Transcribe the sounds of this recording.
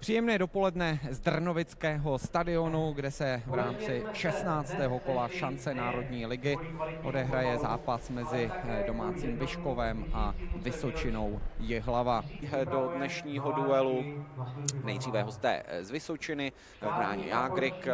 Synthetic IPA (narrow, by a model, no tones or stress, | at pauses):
pr̝̥iːjɛmnɛːdo̞po̞lɛdnɛzd̪r̩novɪt͡skɛːɦo̞st̪adɪo̞nuɡdɛsɛvɾaːmt͡sɪʃɛsnaːt͡st̪ɛːɦo̞ko̞laʃant͡sɛnaːɾo̞dɲiːlɪɡɪʔo̞dɛɦɾajɛza̰ːpasmɛzɪdo̞maːt͡siːmvɪʃko̞vɛmʔavɪso̞t͡ʃɪno̞wjɪɦlavadodnɛʃɲiːɦoduɛlu | nɛ̰jd̪riːvɛɦost̪ɛ̰ːzvɪsot͡ʃɪnɪ | vbɾa̰ːɲɛ̰jaːɡɾɪk